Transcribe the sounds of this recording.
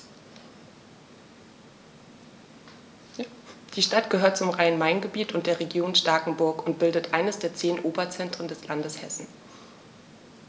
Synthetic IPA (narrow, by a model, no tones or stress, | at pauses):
d̥iːʃtatɡ̥əɦøːɐt̚t͡sʊmʁaɪənmaɪnɡəbiːtʊntd̥eːɐʁeɡjoːnʃtaːkŋ̩bʊɐkʊnt̚b̥ɪldətʔaɪnəsd̥eːɐt͡seːnʔoːbɐt͡sɛntʁ̥əndɛslandəshɛsn̩